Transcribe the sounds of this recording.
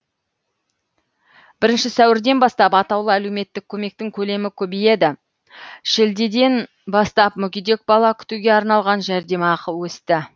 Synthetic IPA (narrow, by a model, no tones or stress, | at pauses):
b̥ɪɾɪnʃɪsæwɪɾd̪e̞nbɑst̪ɑpɑt̪ɑwlˠəæle̞wme̞t̪ːɪkʲʰːɵme̞k̚t̪ɪŋkʲʰɵle̞mɪkʲʰɵbije̞d̪ɪ | ʃɪld̪ed̪e̞n | bɑst̪ɑp̚mʏkʲid̪e̞k̚bɑlˠɑkʲʰʏ̥t̪uɡʲe̞ɑɾnɑlˠʁɑnʒæɾd̪e̞mɑːqəlˠwɵst̪ɪ